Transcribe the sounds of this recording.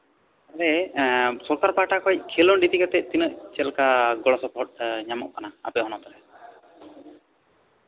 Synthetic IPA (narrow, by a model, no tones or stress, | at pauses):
aɾɛ | sɔɾkaɾpaʈakɔjc̚kʰilɔɖit̪ikat̪ɛc̚t̪inəʔt͡ʃɛlkaɡɔlɔsɔpʰɔʈ̚ɲamɔʔkanaa̰pɛɦɔnɔt̪ɔɾɛ